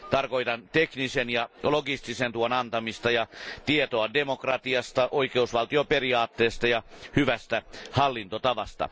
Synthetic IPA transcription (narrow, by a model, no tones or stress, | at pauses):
t̪ɑrko̞it̪ɑnt̪eknisenjɑloɡist̪isent̪uonɑnt̪ɑmist̪ɑjɑt̪iet̪oɑdemokrɑt̪iɑst̪ɑʔoikeusʋɑlt̪ioperiɑːt̪ːeːst̪ɑjɑhyʋæst̪æhɑlːint̪ot̪ɑʋɑst̪ɑ̰